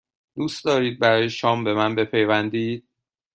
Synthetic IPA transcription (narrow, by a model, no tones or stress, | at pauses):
d̪̥uːst̪d̪ɒːɾiːd̪̚bæɾɒːjeʃɒːmbe̞mænbe̞pʰe̞jvænd̪iːd̪̥̚